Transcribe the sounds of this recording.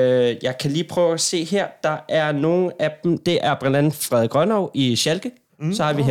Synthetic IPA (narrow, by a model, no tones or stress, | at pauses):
jɑ̈ɪkʰæliːpʰʁœːʊæse̝̰ːɦeɐ̰d̥ɑ̈ʔæɐno̝ːn̩æb̥m̩d̥e̝ʔæɐb̥lænd̥æn̩fʁɛðˠɡ̥ʁɶnɒʊiɕælɡ̥ə | sɒ̽hɑ̈ʋiɦe